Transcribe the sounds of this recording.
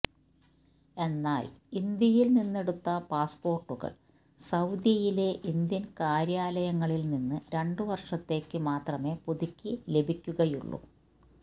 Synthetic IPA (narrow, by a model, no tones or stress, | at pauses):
e̞nːaːlind̪jɐjilninːe̞ɽut̪ːɐpaːspo̞ːrʈːuɣɐ̰ɭ | sɐwd̪jɐjile̞ʔind̪jɐnkaːɾjaːlɐjɐŋːɐɭilninːɨɾe̞ɳɖɨʋɐrʂɐt̪ːe̞ːkːɨmaːt̪rɐme̞ːpuðikʲːile̞bʱikʲːuɣɐjṵɭːṵ